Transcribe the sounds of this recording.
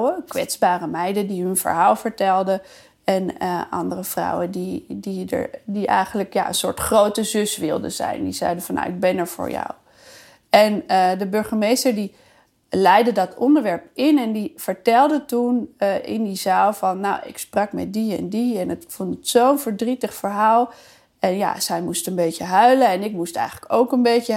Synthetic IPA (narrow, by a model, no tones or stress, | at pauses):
əkʋɛ̰tsbaːrəmɛjdədiɦɵnv̥ə̰ɹɦaːlˠvəɹtɛlˠdə | ɛnʔɑ̰ndərəv̥rɑ̰wədididə̰ɹdiʔɛ̰jχənləkja̰ːə̰nsʊ̰ːɹtχrowtəzʏsʋɪ̰lˠdə̰z̥ɛ̰jndiz̥ɛjdəvɑnːa̰wɪɡ̚bɛnɛɹv̥ʊ̰ːɹjɑ̰w | ʔɛndəbɵɹχəmejstəɹdi | lɛjdədɑtɔndəɹʋɛɹp̚ɪnɛndivəɹtɛlˠdətunɪ̰ndizaːlˠvɑnːawɪ̰ksprɑkmɛ̰t̚diɛ̰ndiɛnətfontətsownvəɹdritəχfəɹɦaːlˠ | ɛnja̰zɛjmustənbejcəɦœɥləɛnɪk̚mustɛ̰jχələkowkənbejcə